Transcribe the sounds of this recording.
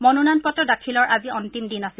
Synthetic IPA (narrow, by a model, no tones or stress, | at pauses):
mɔnunanpɔtɔdakʰilɔɹʔaziɔntimdinasi